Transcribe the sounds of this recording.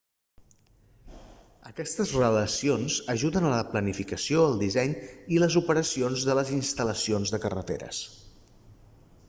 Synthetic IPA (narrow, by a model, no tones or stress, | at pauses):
əkɛst̪əzrələsionzəʒuðənələplənifikəsioəlˠd̪izɛɲiləzupəɾəsionzðələzinst̪ələsionzðəkərə̰t̪ḛɾə̰s